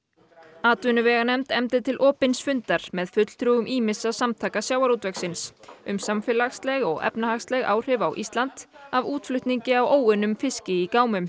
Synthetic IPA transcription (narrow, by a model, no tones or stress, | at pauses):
aːt̪vʏnʏvɛːɣanɛmt̪ɛmt̪ɪt̪ʰɪlʔɔːpɪnsfʏnt̪aɾ̥mɛðfʏt̪l̥t̪ʰɾuːʏmʔiːmɪsasamt̪ʰaːkasjaːwaɾut̪vɛksɪnsʏmsamfɪlaxst̪lɛɣɔ̰ɣɛ̰pnahaxst̪lɛɣa̰ːwr̥ɪvawʔḭst̪lant̪ | avuːt̪flʏht̪niɲcɪawoːwʏnʏmfɪscɪikaːwmʏm